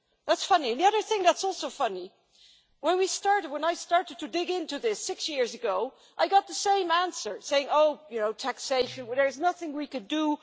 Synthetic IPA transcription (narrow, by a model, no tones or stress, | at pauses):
ðætsfʌniɨ̃nðiʌðə˞θɪ̃ŋðætsɔlˠsoʊfʌni | wə̃nwistɑɹɾɨd̚wə̃naɪstɑɹɾɨd̚tʰɨdɪɡɪ̃ntʉðɪsɪksjɪɹzɨɡoʊ | ʔaɪɡɑt̪̚ðəsẽɪ̃mæ̃nsə˞seɪɪ̃ŋoʊjɨnoʊtʰækseɪʃɨ̃nðə˞ɨznʌθɪ̃ŋwikɨdu